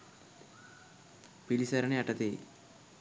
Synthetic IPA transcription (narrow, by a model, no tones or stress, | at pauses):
pilisɐɾɐneɐʈːɐt̪e